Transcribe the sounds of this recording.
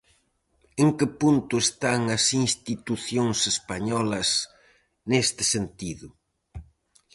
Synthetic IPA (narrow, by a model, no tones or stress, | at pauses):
eŋkɪpunt̪ʊest̪aŋɐsinst̪it̪uθjoŋsespaɲɔlɐs | nest̪ɪ̥sent̪iðʊ